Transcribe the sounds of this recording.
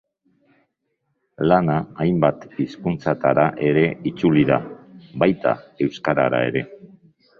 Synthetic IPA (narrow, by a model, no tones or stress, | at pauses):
lanaːjmbat̪iskunt͡sat̪aɾaʔe̞ɾe̞it͡suliða̰βajt̪a̰e̞wskaɾa̰ɾa̰e̞̰ɾe̞